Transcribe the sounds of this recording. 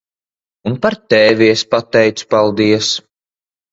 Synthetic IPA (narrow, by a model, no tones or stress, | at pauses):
unpaɾt̪ɛːviɛspat̪ːɛjt̪su̥palˠd̪iɛs